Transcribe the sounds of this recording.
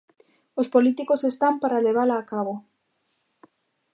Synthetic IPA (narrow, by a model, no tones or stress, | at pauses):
ospolit̪ikosest̪ampaɾaleβalaːkaβo